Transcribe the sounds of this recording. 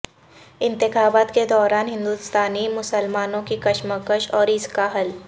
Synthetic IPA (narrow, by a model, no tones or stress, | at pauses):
ɪ̃nt̪ɪxaːbaːt̪ked̪ɔːɾaːnɦɪ̃nd̪uːst̪aːnimʊsəlmaːnõkikɐʃməkəʃɔːɾɪskaɦɐl